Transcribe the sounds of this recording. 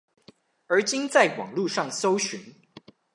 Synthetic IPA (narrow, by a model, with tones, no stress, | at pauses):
ə˞˨˧˥t͡ɕi˦nt͡sa˥˩ɪwɑ̰˨˩ŋlu˥˧ʂɑ˥˨ŋso˥ʊɕy˨˦n